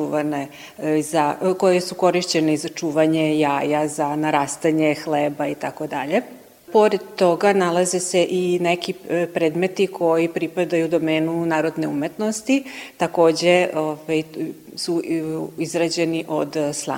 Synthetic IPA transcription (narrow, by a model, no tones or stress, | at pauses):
uʋane | zako̞jesuko̞ɾiʃt͡ɕe̞neizat͡ʃuːʋaɲejaːjazanaɾaːst̪aɲexleːbait̪ako̞d̪aʎe̞ | po̞ɾed̪t̪o̞ɡanalˠazeseʔinekipɾeːd̪me̞t̪ikʰo̞jipɾipad̪ajud̪omeːnunaːɾo̞d̪neumet̪no̞st̪it̪ako̞ːd͡ʑeovaj | suizɾad͡ʑe̞niʔo̞d̪slˠa̰